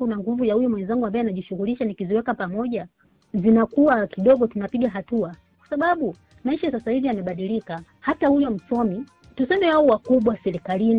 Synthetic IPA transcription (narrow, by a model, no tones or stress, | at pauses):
kunaŋɡuvujahujɔmwɛnzaŋɡuambaɛanaʄiʃuɣuliʃanikiziwɛkapamɔʄa | zinakuwakiɗɔɡɔtunapiɡaɦatua | kwḁsaɓaɓu | maiʃasasahivijamɛɓaɗilika | hatahujɔm̩sɔmi | tusɛmɛwaɔwakuɓwasɛɾikalini